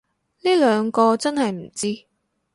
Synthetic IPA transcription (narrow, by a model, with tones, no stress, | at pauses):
niː˥lœː˨˧ŋkɔː˧t͡sɐ˥nhɐ˨jm̩˨˩t͡siː˥